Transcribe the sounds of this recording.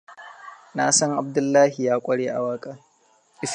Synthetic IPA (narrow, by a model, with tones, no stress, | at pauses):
na˦sɐ˦ŋʔa˨b̚dʊ˦lːaː˦hi˨jaː˦kʷʼɐ˦ɽeː˦ʔa˨waː˦kʼaː˦ | ʔɪ˨